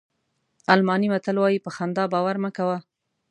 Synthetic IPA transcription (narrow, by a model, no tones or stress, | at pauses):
almɑnimat̪əlwɑjipəxand̪ɑbɑwaɾmakawa